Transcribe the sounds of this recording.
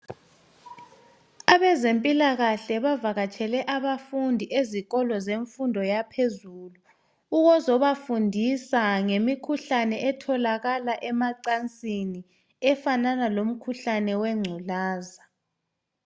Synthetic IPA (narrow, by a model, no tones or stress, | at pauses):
aβɛzempʼilaɣaɬɛβavaɣat͡ʃʰʼɛlɛʔaβafundʱiʔeziɣɔlɔzeɱfundʱɔjapʰezulu | uɣɔzɔβafundʱisaŋemikʰuɬanɛʔɛtʰɔlaɣalaʔɛmaǀant͡sʼini | ɛfananalom̩kʰuɬanɛwɛŋ͡ǀʱulaːza